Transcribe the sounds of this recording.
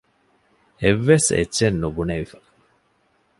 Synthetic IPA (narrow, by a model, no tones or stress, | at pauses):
eʋːesḛːʃenːubuneʋifḁ